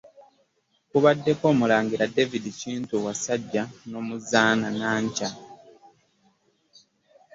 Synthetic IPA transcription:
kuβadːe̞ko̞ːmulaːŋɡiɾade̞vidiciːntuwasaɟːano̞ːmuzaːnanaːɲca

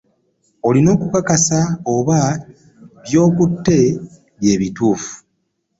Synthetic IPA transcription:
o̞lino̞ːkukakasaoβa | βjo̞ːkutːe̞ | βje̞ːβituːfu̥

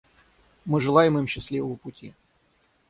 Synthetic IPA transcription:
mɨʐɨlˠajɪmɨmɕːɪsʲlʲivəvəpʊtʲi

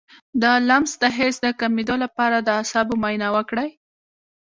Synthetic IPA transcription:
d̪əlamzd̪əɦesd̪əkamid̪olapɑɾad̪əasɑbomɑjnawəkɽaj

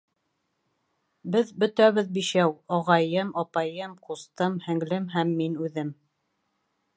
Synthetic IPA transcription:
bɘðbɵ̆t̪æβɘðbiʃæwɑʁɑjɤmɑpɑjɤmqust̪ɤmhɘ̆ŋlɘmɦæmːinʉðɘm

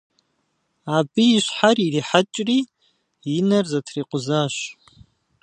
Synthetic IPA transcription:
abiːʃʷħaririħat͡ʃʼri | inarzatʰriqʷʼʊzaʃʷ

